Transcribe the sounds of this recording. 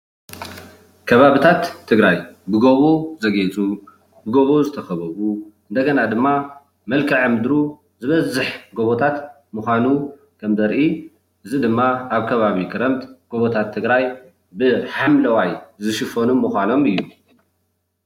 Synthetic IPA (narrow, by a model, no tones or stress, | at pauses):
kʰɐβaβɨt̪ʰat̪ʰːɨɡɾajbɨɡoβozɐɡet͡sʼu | bɨɡo̞βozɨt̪ʰɐxɐβɐβuʔɨnd̪ɐɡɐnad̪ɨmːa | mɐlkʰɨʕɨmd̪ɾu | zɨβɐzːɨħɡo̞βot̪ʰat̪ | mɨxʷanu | kʰɐmzɐɾʔi | ʔɨzid̪ɨmːaaβkʰɐβaβikʰɨɾɐmt̪ʼɡ̥o̞βot̪ʰat̪ʰːɨɡɾaj | bɨħamlɐwajzɨʃɨfonumːɨxʷano̞mɨjːu